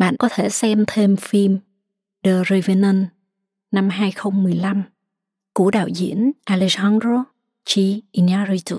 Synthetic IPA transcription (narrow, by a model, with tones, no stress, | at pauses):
ɓa̰ː˧˨nkɔ˨˦t̪ʰe˧˩sɛ˧mt̪ʰe˧mfi˧m | ɗəː˧˩zi˧və˧nə˧nː | a˧mɦaː˧jxə˧wŋ͡mmɨ˨˩əjla˧m | ku˧˩əɗa̰ː˧˨wzḭ˧˨ənʔa˧le˧sa˧˦ndɾo˧ | t͡ɕi˧ʔi˧na˧ɾi˧t̪u˨˧˩